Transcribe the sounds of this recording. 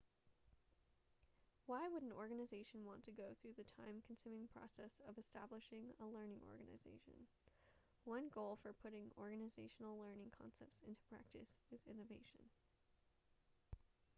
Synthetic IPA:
waɪwəɾn̩ɔɹɡɨnɨzeɪʃn̩wɑ̃ntʰɨɡoʊθɹʉðɨtʰãɪ̃mkʰn̩sʉmɪ̃ŋpʰɹ̥ɑ̰sɛsʌvɨstæ̰blɨʃɪ̃ŋəlɜ̃˞nɪ̃ŋʔɔ̰ɹɡɨnɨ̰zḛɪʃɨ̰̃n | wʌ̃nɡoʊlˠfə˞pʰʊɾɪ̃ŋɔ̰ɹɡɨnɨzeɪʃn̩l̩ˠlɜ̃˞nɪ̃ŋkʰɑ̰̃nsɛ̰p̚tsɪ̃ntʰu̥pʰɹ̥æ̰k̚tɨ̰sɨzɪ̃nɨveɪʃɨ̃n

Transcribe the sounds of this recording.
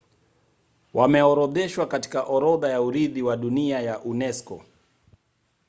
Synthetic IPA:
wʔamɛɔɾɔðɛʃwakati̥kaʔɔɾɔðajauɾiðiwaɗuniajaʔunɛskɔ̰

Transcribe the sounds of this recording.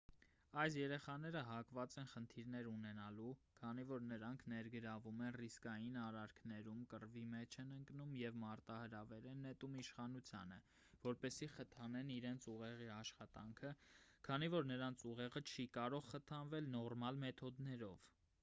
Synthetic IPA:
ɑjs̬jɛɾɛχɑn̪ɛɾəɦɑkvɑt͡sɛnχənt̪ʰiɾnɛɾunɛnɑlukʰɑnivɔɾnəɾɑŋkʰnɛɾɡəɾɑvumɛnriskɑjinɑɾɑɾkʰnɛɾumkərvimɛt͡ʃʰɛnəŋknumjɛvmɑɾt̪ɑhəɾɑvɛɾɛnɛt̪umiʃχɑnut͡sʰjɑ̰nə̰ | vɔɾpɛsiχət̪ʰɑnɛniɾɛnt͡sʰuʁɛʁiɑʃχɑt̪ɑŋkʰəkʰɑnivɔɾnəɾɑnt͡sʰuʁɛʁət͡ʃʰikɑɾɔʁχət̪ʰɑnvɛlnɔrmɑlmɛt̪ʰɔd̪nɛɾɔv

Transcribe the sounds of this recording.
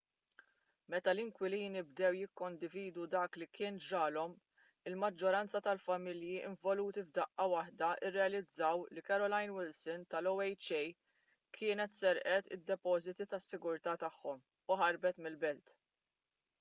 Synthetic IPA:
mɛt̪ɐlɪŋkwɪliːnɪbd̪ɛwjɪkːɔnd̪ɪviːd̪ud̪ɐːklikɪːnd͡ʒɐːlɔm | ɪlmɐd͡ʒːɔɾɐnt͡sɐt̪ɐlfɐmɪljiʔɪ̰ɱvɔluːt̪ivd̪ɐʔːɐwɐħd̪ɐʔɪrːɛɐlɪd͡zːɐwlikɐɾɔlɐjnwɪlsɪnt̪ɐlɔwɛjt͡ʃɛj | kʰɪːnɛt̪sɛɾʔɛt̪ɪ̰d̪ːɛpɔːzɪt̪it̪ɐsːɪɡʊɾt̪ɐːt̪ɐħːɔm | ʊħɐɾbɛt̪mɪlbɛlt̪

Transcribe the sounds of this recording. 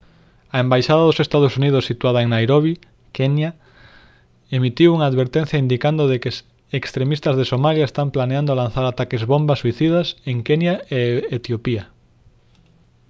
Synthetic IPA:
ɐembajʃaðaðosest̪að̞osuniðʊsːit̪uað̞aeŋnajɾoβi | kenja | emit̪iwuŋaːðβeɾt̪ẽn̟θjaind̪ikand̪oðekes | ekst̪ɾemist̪ɐzðesomaljaest̪amplaneand̪oalan̟θaɾat̪akezβombasiθið̞aseŋkenjaeet̪jopia

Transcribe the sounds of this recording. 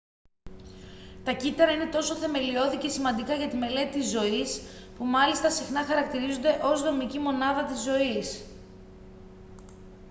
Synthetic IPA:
t̪ɐcit̪ɐɾɐine̞t̪o̞so̞θe̞me̞lio̞ðice̞simɐnd̪ikɐʝɐt̪ime̞le̞t̪it̪izːo̞ispumɐlist̪ɐsixnɐxɐɾɐkt̪iɾizond̪e̞ʔo̞zðo̞micimo̞nɐðɐt̪izːo̞is

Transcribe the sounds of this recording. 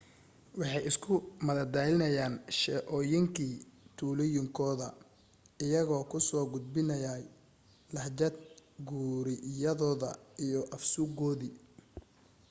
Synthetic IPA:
wɑħɑjɪskʰʊmɐðɐd̪aːlɪnɐjaːnʃɛʔɔːjɪŋkʰiːt̪ʰuːlɪjɪŋkʰɔːðɐ | ɪjɐɣɔːkʰʊsɔːɡʊd̪̚bɪnɐjaːj | lɐħd͡ʒɐd̪ɡuːɾɪjɐðɔːðɐ̰ijɔʔɐfsuɡɔːðiː

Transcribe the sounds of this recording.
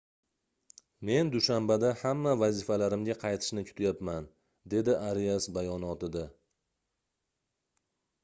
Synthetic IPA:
me̞nd̪ʊʃambad̪ahamːavazɪfalaɾɪmɡʲaqʰɑjt̪ʰɪ̥ʃnɪkʲʰʊ̥t̪ʰajapman | d̪e̞d̪ɪʔaɾijasbajɒnɒt̪ɪd̪a

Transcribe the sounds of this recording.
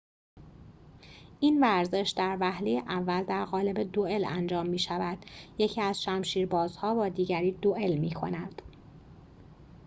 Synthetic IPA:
ʔiːnvæɾze̞ʃd̪æɾvæhlejeʔævːæld̪æɾɣɒːle̞be̞d̪oe̞læ̰nd͡ʒɒːmːiːʃævæd̪̥je̞cʰiːæzʃæmʃiːɾbɒːzhɒːbɒːd̪iːɟæɾiːd̪oʔe̞lmiːkʰo̞̰næd̪̥

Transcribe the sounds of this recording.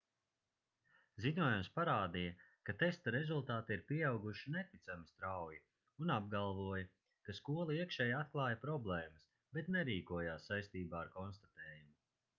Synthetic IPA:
ziɲuɔjumspaɾaːd̪ijɐkat̪est̪aɾezulˠt̪aːt̪iɾpʲiɛawɡuʃinet̪it̪samist̪ɾawji | unab̚ɡalˠvuɔjɐ | kaskuɔlˠaiɛkʃɛːjat̪̚klˠaːjɐpɾɔblˠɛːmɐs | bet̪nɛɾiːkuɔjaːsːajst̪iːbaːaɾkɔnst̪at̪ɛːjumu

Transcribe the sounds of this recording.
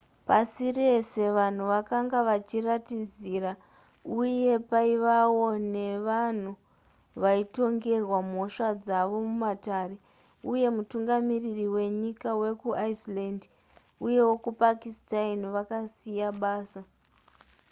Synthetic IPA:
pasire̞se̞ʋan̤uʋakaŋɡaʋat͡ʃiratid͡ziːɾa | uje̞paiʋawo̞ne̞ʋan̤u | ʋaito̞ŋɡe̞rwam̤o̞ʃad͡zaʋo̞mumataːɾe̞ | uje̞mutuŋɡamiririwe̞ɲikawe̞kuaisland | uje̞wo̞kupakistainʋakasijaɓaːsa

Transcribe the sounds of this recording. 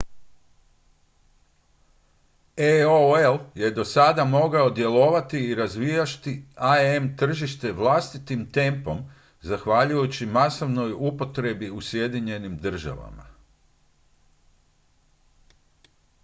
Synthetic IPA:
eoelje̞d̪o̞sad̪amo̞ɡao̞d̪je̞lo̞ʋat̪iːɾazʋijaʃt̪iaemt̪r̩ʒiʃt̪e̞ʋlˠast̪it̪imt̪e̞mpo̞m | zaxʋaʎujut͡ɕimasoʋno̞jupo̞t̪ɾe̞biusje̞d̪iɲe̞nimd̪r̩ʒa̰ʋa̰ma̰

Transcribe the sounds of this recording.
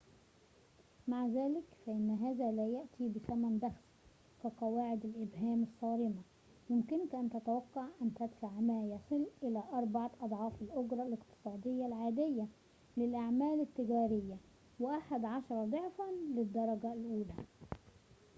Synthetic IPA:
maʕzæːlɪkfæʔɪnːɦæːzæːlæːjaʔt̪iːbɪsæmænd̪æxs | kæqɑwaːʕɪd̪ælʔɪbɦæːmɪsˤːɑːɾɪma | jʊmkɪnkʔænt̪æt̪awɑqːɑʕʔænt̪æd̪faʕmæːjɑsˤɨlʔɪlæːʔɑɾˤbɑʕɑʔɑd̪ˤʕɑːfɪlʔoɡɾˤɑlɪqt̪ɨ̥sˤɑːd̪ɪjːalʕaːd̪ɪjːæ | lɪlʔaʕmæːlɪt̪ːɪɡæːɾɪjːæ | wɪʔaħad̪ʕɑʃɑɾˤɑd̪ˤoʕfælɪd̪ːɑɾˤɑɡalʔuːlæ

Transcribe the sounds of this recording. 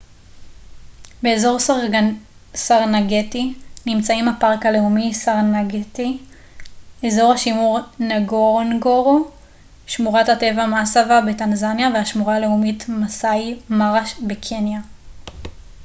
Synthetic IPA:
be̞ːzo̞ʁ | saʁnaɡetinimt͡saimapaʁkale̞umisaʁnaɡeti | ezo̞ʁhaʃimuʁnaɡoʁonɡoʁo | ʃmuʁathate̞vamasavabetanzanjaveaʃmuʁaːle̞umitmasaimaʁaʃbekʰenja

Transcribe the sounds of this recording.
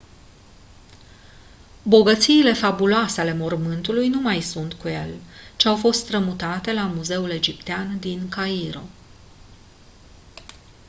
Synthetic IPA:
bo̞ɡət̪siːle̞fabuloaseale̞mo̞rmɨnt̪ulujnumajsunt̪kuje̞̰lt͡ʃeawfo̞st̪t̪ɾəmut̪at̪e̞lamuze̞ule̞d͡ʒipt̪eand̪inkaiɾo̞̰

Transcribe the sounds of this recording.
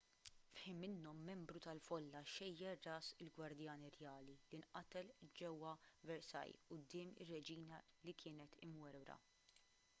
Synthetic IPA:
fħɪmːɪnːɔmːɛmbɾut̪ɐlfɔlːɐʃɛjːɛrːɐːsɪlɡwɐɾd̪jɐːnirjɐːlilinʔɐt̪ɛld͡ʒɛwːɐvɛɾsɐ̰jʊd̪ːɪːmɪ̰rːɛd͡ʒiːnɐlikʰɪːnɛt̪ʰɪmwɛɾɾɐ̰

